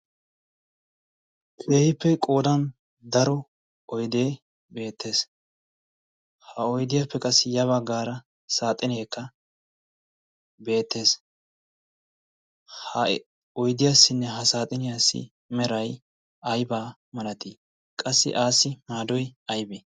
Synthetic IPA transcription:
kʰeːhɪpːɛkʼo̞ːd̪ɐn | d̪ɐɾɔ | ɔjd̪e̞ː | be̞ːt̪ːe̞ːs | hɐɔjd̪ɪjɐpːɛkʼɐsːɪjɐβɐɡːaːɾɐ | saːt̪ʼɪnjeːkːɐ | be̞ːt̪ʰːe̞ːs | hɐ | ɔjd̪ɪjasːɪnːɛɦɐsaːt̪ʼɪnɪjasːɪ̰ | mɛɾɐj | ɐjbaː | mɐnɐt̪iː | kʼɐsːɪ̰ʔaːsːɪmaːd̪ɔjɐjbeː

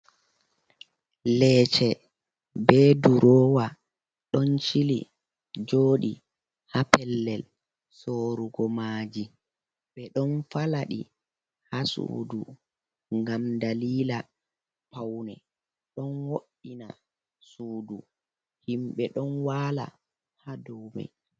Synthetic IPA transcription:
lɛːt͡ʃɛ | bɛduɾɔːwa | ɗɔnt͡ʃilḭ | d͡ʒoːɗḭ | hapɛlːɛl | soːɾuɡɔmaːd͡ʒi | ɓɛɗɔnfalaɗḭ | hasṵːdu | ŋɡamdaliːla | pawnɛ | ɗɔnwoɗːina̰ | suːdu | himɓɛɗɔnwaːla̰ | hadɔwma̰j

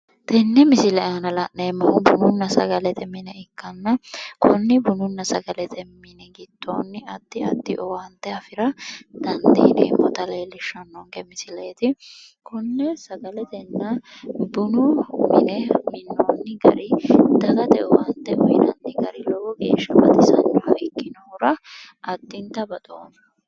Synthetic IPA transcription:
t̪ɛnːɛmɪsɪlɛɐnɐlɐʔneːmːɐhʊbʊnʊnːɐsɐ̰ɡɐlɛt̪ɛmɪnɛɪkːɐnːɐkʰʊnːɪbʊnʊnːɐsɐɡɐlɛt̪ʰɛmːɪnɛɡɪt̪ːoːnːɪɐd̪̥ːɪɐd̪ːɪʔɔwɐnt̪ːɛɐfɪɾɐd̪̥ɐnd̪ḛːnḛːmːɔt̪ɐleːlɪʃːɐnːɔŋkɛmɪsɪleːt̪ɪkʊnːɛsɐɡɐlɛt̪ɛnːɐbʊnʊmɪ̰nɛmɪnːoːnːɪɡɐ̰ɾɪd̪ɐɡɐt̪ɛʔɔwɐnt̪ːɛʔɔɪnɐ̰nt̪ɪɡɐɾɪlɔɡɔɡḛːʃːɐbɐ̰t̪ɪsɐ̰nt͡ʃɔhɐɪkːɪnoɾɐ | ɐd̪ːɪnt̪ɐbɐt̪ʼoːn

